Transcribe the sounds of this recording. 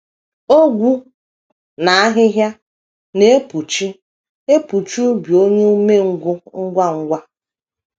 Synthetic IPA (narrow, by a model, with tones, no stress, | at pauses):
o˦ɡʷu˦ | na˨a˦ɦɪ˦ɦja˦ | ne˨e˦pu˨t͡ʃi˦ | e˦pu˨t͡ʃu˦bjo˦ɲe˦u˦me˦ŋ̩˦ɡʷʊ˦ŋ̩˦ɡʷa˦ŋ̩˦ɡʷa˦